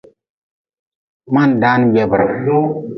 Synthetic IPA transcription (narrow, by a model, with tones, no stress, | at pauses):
ma˦n˨da˨˦n˦ɡ͡be˨bə˨ɾ